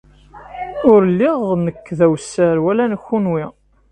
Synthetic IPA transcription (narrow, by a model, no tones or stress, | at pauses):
ʊɾlːiʁnəkːðæwsːəɾwælænəxːunwi